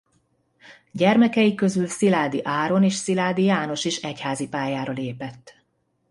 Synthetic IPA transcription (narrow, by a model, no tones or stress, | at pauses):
ɟɛrmɛkɛjikø̞zylsilaːd̪iʔaːɾo̞neːʃsilaːd̪ijaːno̞ʃiːʃɛchaːzipaːjaːɾoleːpɛt̪ː